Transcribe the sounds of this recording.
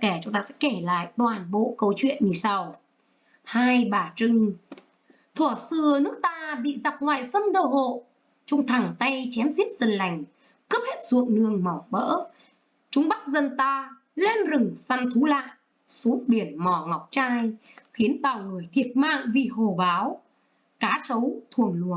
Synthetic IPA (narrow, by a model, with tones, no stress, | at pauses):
kɛ˧˩t͡ɕʊ˨˦ŋ͡mt̪aː˧sɛ̰˧˥ke˧˩la̰ː˧˨jt̪waː˨˩nɓo̰˧˨kə˧wt͡ɕwḭ˧˨ənɲi˧˩sa˧w | haː˧jɓaː˨˩t͡ɕɨ˧ŋ | t̪ʰo˧˩əsɨ˧ənɨ˦˥ək̚t̪aː˧ɓḭ˧˨za˨˩k͡p̚ŋwa̰ː˧˨jsə˧mɗo˧˩ɦo̰˧˨ | t͡ɕʊ˧ŋ͡mt̪ʰa˨˩ŋt̪a˧jt͡ɕɛ˨˦mzi˦˥ət̚zə˨˩nla˨˩jŋ̟ | kə˦˥p̚he˦˥t̚z̥ṵ˧˨əŋnɨ˧əŋma˨˩wɓə̰ː˧˥ | t͡ɕʊ˨˦ŋ͡mɓa˦˥k̚zə˧nt̪aː˧ | le˧nzɨ˨˩ŋsa˧nt̪ʰu˨˦la̰ː˧˨n | su˨˦nɓi˨˧˩ənmɔ˨˩ŋɔ˨˩wk͡p̚t͡ɕaː˧j | xi˨˦ənvaː˨˩wŋɨ˨˩əjt̪ʰi˨˩ət̚ma̰ː˧˨ŋvi˨˩ho˨˩ɓaː˨˦w | kaː˨˦sə˨˦wt̪ʰu˨˩əŋlu˧˩ə